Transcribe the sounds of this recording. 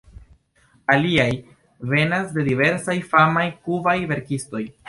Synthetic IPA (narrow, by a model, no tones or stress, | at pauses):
aliaj | ve̞nasde̞dive̞ɾsajfamajkuvajve̞ɾkisto̞j